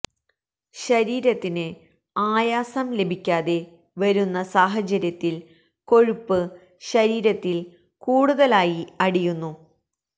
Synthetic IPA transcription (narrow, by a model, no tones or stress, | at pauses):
ɕɐɾiːɾɐt̪ːinɨ | aːjaːsɐmle̞bʱikʲːaːðe̞ | ʋɐɾunːɐsaːɦɐt͡ɕɐɾjɐt̪ːil | ko̞ɻupːɨ | ɕɐɾiːɾɐt̪ːil | kuːɽuðɐlaːjiɐɽijunːu